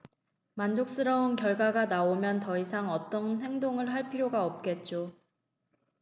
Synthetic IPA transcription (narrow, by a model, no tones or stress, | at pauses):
mand͡ʑok̚s͈ɯɾʌunkjʌɭɡwaɡanaomjʌntʌisʰaŋʌt͈ʌnɦe̞ŋdoŋɯɭɦaɭpʰiɾjoɡaʌp̚k͈e̞t̚t͡ɕ͈o